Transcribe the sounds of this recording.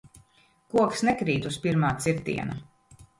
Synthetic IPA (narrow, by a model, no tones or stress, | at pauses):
kuɔksnekɾiːt̪uspiɾmaːt̪siɾt̪ḭɛnɐ